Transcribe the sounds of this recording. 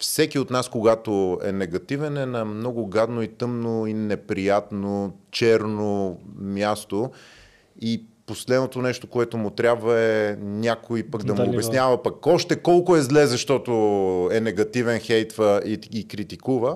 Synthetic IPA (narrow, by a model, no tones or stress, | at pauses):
fsɛkiot̪naskoɡat̪oɛ̰nɛɡɐt̪ivɛnɛnɐmnɔɡʊɡad̪noit̪ɤmnoinɛpɾijat̪not͡ʃɛɾnomjast̪o | iposlɛd̪not̪onɛʃt̪okoɛt̪ʊmʊt̪ɾʲjabvəɛnʲakʊipɐɡd̪ɐmʊːbɛsnʲavɐpɐkɔʃt̪ɛkɔlˠkʊɛzlɛzɐʃt̪ɔt̪oɛnɛɡɐt̪ivɛnxɛjt̪vəiɡikɾit̪ikuvə